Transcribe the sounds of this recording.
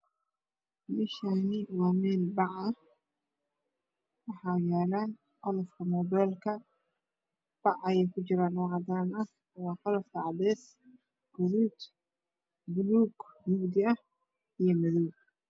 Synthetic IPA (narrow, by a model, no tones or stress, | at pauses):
mɪʃanɪwɑːmɛːlbɑʕɐh | wɑħɑːjaːlaːn | ʔɔlɔfkʰɐmɔːbɛːlkʰɐ | b̥ɑʕɐjɛjkʰʊt͡ʃɪɾaːnːɔːʕɑd̪aːnɐ | wɑːqɑlɐft̪ɐʕɑdɛːs | ɡ̥ʊɾuːt̪ | bʊluːɡmʊɡd̪ɪɐh | ijɔmɐðuː